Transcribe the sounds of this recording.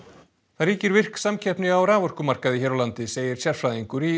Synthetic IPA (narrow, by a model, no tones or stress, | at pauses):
θaɾiːcɪɾvɪr̥ksamcʰɛhpnɪawɾaːvɔr̥kʏmar̥kaðɪçɛːɾawlant̪ɪseːjɪɾ̥sjaɾ̥fɾajðiŋkʏɾi